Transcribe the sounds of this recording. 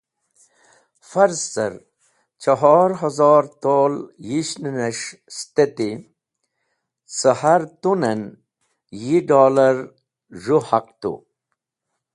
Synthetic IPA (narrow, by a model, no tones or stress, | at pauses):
fɐɾzsɐ̰ɾ | t͡ɕɐɦɔːɾɦɐzɔːɾt̪oːljiɕninɐʂst̪et̪i | səhaɾt̪unɐn | jiɖoːləɾ | ʐuhaq̚t̪ṵ